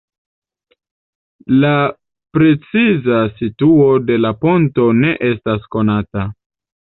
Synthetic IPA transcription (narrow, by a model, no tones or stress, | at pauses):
la | pɾe̞t͡sizasituo̞de̞lapo̞nto̞ne̞ʔe̞stasko̞nata